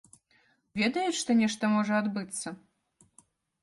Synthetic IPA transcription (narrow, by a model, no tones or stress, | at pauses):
vʲɛd̪ɐjɛʂt̪ɔnʲɛʂt̪ɐmɔʐɐad̪bɨt̪sːɐ